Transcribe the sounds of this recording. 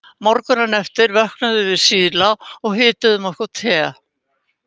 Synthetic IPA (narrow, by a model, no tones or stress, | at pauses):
mɔɾkʏnanɛft̪ɪɾvɛhknaðʏvɪðsiːðlaɔɣɦɪːt̪ʏðʏmɔhkɔt̪ʰɛː